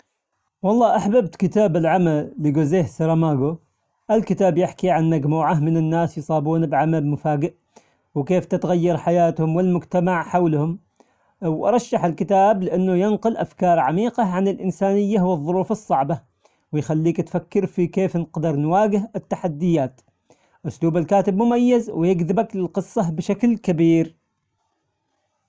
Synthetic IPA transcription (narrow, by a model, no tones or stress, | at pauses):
wɑlˤːɑːʔaħbab̚t̪kɪt̪aːbɪlʕamalːiɡʊzeːhsaɾˤɑmaːɡo | ʔalkɪt̪aːbjɪħkiʕanmaɡmuːʕahmɪnɪnːaːsjsˤɑːbuːnbʕamalmʊfaːɡɪʔ | wkeːft̪ɪt̪ɣajːɑɾˤħajaːt̪hʊmwɪlmʊd͡ʒt̪amaʕħawlhʊm | wʔɑ̰ɾˤɑʃːaħɪlkɪt̪aːblɪʔanːʊjɪnqʊlʔafkɑːɾˤʕamiːqɑʕanɪlʔɪnsaːnɪjːahwɨðˤːʊɾuːfɨsˤːɑʕba | wɪjxalːiːkt̪fakːɪɾfikeːfnɪqd̪ɪɾˤnwaːɡɪɦɪt̪ːaħad̪ːɪjaːt̪ | ʔʊsluːbalkaːt̪ɪbmʊmajːazwɪjɪɡðɪbaklɪlqɨsˤːɑbɪʃaklkabiːɾ